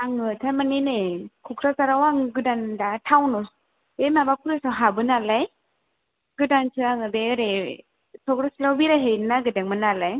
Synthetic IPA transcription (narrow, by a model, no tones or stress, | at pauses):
aŋɯtʰamanenekʰukʰɾasaɾawaŋɡɯdandatʰawnɔs | bemabakʰuɾɯsawɦabɯnalaj | ɡɯdantʰɯaŋɯbeɯɾe | sɔkɾasilawbiɾaɦejnaɡɯdaŋmɯnalaj